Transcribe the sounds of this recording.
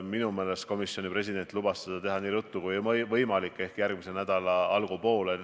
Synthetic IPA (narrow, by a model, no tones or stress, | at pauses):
minume̞ːle̞st̪ko̞misjo̞nʲipre̞sid̪e̞nʲt̪ˑlubɑssed̪̥ɑt̪e̞ɦɑniːɾut̪ːˑukujmvɤjmɑlikːˑe̞hkjærɡ̥mise̞næd̪̥ɑlɑɑlɡ̥upo̞ːle